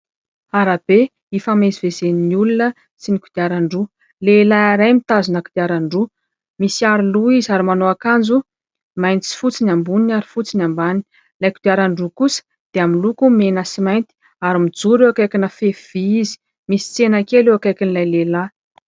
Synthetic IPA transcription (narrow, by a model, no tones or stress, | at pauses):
aɾab̥e | ifamezivezeniniulunə | sinikud̪̥iaɾaɳɖ͡ʐu | lelaaɾajmit̪azunəkud̪̥iaɾaɳɖ͡ʐu | misiaɾiluizaɾimanoakand͡zu | majnt͡si̥fut͡sinambuninaɾi̥fut͡sinambani | lajkud̪̥iaɾaɳɖ͡ʐukusə̥ | d̪̥eaminlukumenəsimajnt̪i̥ | aɾimid͡zuɾewakajkʲinəfev̥iizi̥ | misi̥t͡senakeleakajkinilajlela